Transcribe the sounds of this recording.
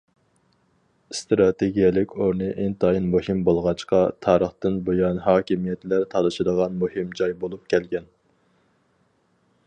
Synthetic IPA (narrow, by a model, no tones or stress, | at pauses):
st̪ɾɑt̪ʰeɡʲijɛlɪkʲoɾnɨʔɪnt̪ʰɑinmohɪmbolˠʁɑt͡ʃqɑt̪ʰɑːɾəχt̪ɨnbojɑnɦɑːkʲimijɛt̪læɾt̪ʰɑlɨʃɪd̪əʁɑnmohɪmd͡ʒɑjbolˠup̚kʲʰɛlɡʲɛn